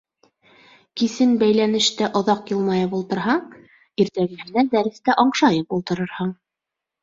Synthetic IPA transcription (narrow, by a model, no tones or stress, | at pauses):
kisɘnbæjlænɘ̆ʃt̪æʔŏðɑqjɤlˠmɑjɑbulˠt̪ɤ̆ɾɦɑɴ | iɾt̪æɡɘ̆hɘ̆næd̪æɾɘ̆st̪æʔɒɴʃɑjɤpulˠt̪ɤ̆ɾɤɾhɤɴ